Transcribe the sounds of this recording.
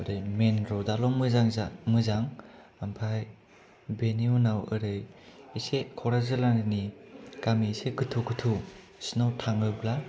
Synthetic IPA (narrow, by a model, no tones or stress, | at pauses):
ɯɾɯjmenɾɔdalɔŋmɯzaŋzamɯzaŋ | ampʰaj | beniunawɯɾɯjisekʰɔɾazɯlananikamiseɡɯtʰuɡɯtʰu | snawtʰaŋɯbla